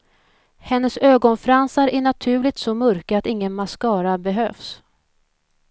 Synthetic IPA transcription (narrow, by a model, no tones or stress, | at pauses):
hɛnːəsøːɡɔnfɾansaɾæɳat̪ʰʉ̟ːlɪɡ̚t̪sɔmœɾkaat̪ɪŋːənmaskɑːɾabɛɦøːfs